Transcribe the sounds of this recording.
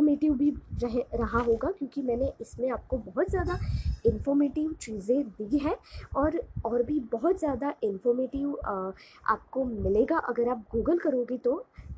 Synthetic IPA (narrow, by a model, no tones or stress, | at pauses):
meːʈɪʋbʱiɾɐɦɾɐɦaɦoːɡakjõːkimɛ̃ːneʔɪsmẽaːp̚kobɔɦʊt̪zjaːd̪aɪnfɔɾmeːʈɪʋt͡ʃiːzẽd̪iːɦɛːɔːɾɔːɾbʱibɔɦʊt̪zjaːd̪aʔɪnfɔːɾmeːʈɪʋ | a̰ːp̚komɪleːɡaʔɐɡəɾaːp̚ɡuːɡəlkɐɾoːɡit̪o